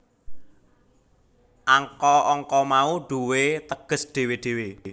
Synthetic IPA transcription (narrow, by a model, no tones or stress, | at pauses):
ʔaŋkɔʔɔŋkɔmauɖ̥uwet̪əɡ̥ə̤sɖ̪̥e̤weɖ̥e̤we